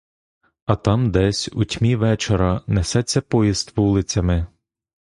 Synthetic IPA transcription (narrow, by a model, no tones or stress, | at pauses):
ɐt̪ɑmd̪ɛsʲutʲmʲiʋɛt͡ʃeɾɐnɛsɛt͡sʲːɐpɔjist̪ʋulˠɪt͡sʲɐmɪ